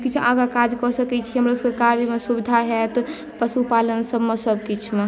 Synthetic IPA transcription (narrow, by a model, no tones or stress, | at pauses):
kit͡ʃʰaɡakad͡ʒkɔsəkɛt͡ʃʰiɦəmɾoskekaɾjəmesubid̪ʱaɦɛt̪ | pəsupalənsəbmesəb̚kit͡ʃʰme